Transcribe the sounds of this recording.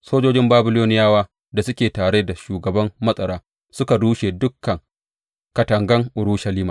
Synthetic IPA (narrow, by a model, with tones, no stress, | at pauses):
soː˦d͡ʒoː˦d͡ʒɪ˦mbaː˦bɪ˦loː˦nɪ˦jaː˦waː˦ | da˨sʊ˦kʲeː˨taː˨ɽe˦da˨ʃuː˨ɡɐ˨bɐ˦mːɐ˦sʼɐ˨ɾaː˦ | sʊ˦ka˨ɽuː˦ʃeː˨dʊ˦kːɐ˨ŋ | kɐ˨tɐ˨ŋɡɐ˦ŋʔʊ˨ɽuː˦ʃɐ˦liː˦maː˨